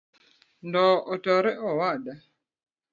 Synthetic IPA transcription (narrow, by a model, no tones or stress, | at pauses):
ndɔɔtɔɾɛʔɔwaɗa